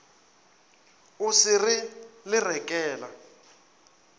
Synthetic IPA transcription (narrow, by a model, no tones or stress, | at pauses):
usirilɪrɛkʼɛːla̰